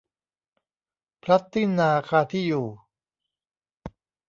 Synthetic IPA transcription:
pʰɾa˦˥t̪ʰːi˥˩nːaː˧kʰaː˧t̪ʰiː˥˩juː˨˩

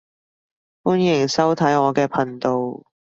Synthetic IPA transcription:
fuː˥njɪ˨˩ŋsɐ˥wt̪ʰɐ˨˥jɔː˨˧kɛː˧pʰɐ˨˩nt̪o˨w

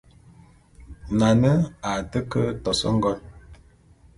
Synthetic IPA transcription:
na˨nə˦a˨tə˦kə˦tɔ˨sɔ̰˦ŋ̩˦ɡɔ˦n

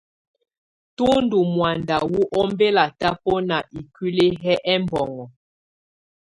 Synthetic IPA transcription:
tu˦ndu˨mwa˨nda˨wu˦ʔɔ˦mbe˦la˨ta˦pɔ˦na˨ʔi˨kwi˦le˦ɦɛ˦ʔɛ˦mbɔ˨ŋɔ˨

